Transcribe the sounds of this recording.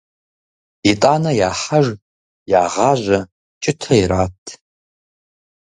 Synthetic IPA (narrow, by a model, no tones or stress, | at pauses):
itʼanɐjaːħaʒ | jaːʁaʒʷa | t͡ʃʼɪtʰɐiɾatʰ